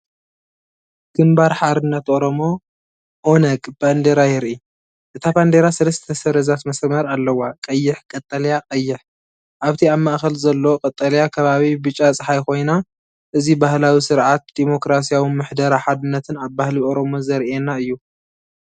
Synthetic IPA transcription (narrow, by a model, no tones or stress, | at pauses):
ɡ̥ɨmbaɾħad̪ɨnːɐt̪ʔo̞ɾo̞mo̞ | ʔonɐkʼb̥and̪eɾajɪɾʔi | ʔɨt̪ʰaband̪eɾasɨlɐst̪ʰɐsɐɾɐzat̪mɐsmɐɾalːɐwːakʼɐjːɪħkʼɐt̪ʼːɐljakʼɐjːɪħ | ʔaβt̪ʰiaβmaʔxɐlzɐlːookʼɐt̪ʼːɐljakʰɐβaβibɨt͡ʃʼːat͡sʼɨħajko̞jna | ʔɨzibahlawisɨɾʕat̪̚d̪̥imo̞kɾas̬ijawimɨħd̪ɐɾaħad̪ɨnːɐt̪ʰɨnaβbahliʔo̞ɾomo̞zɐɾʔenaɨjːu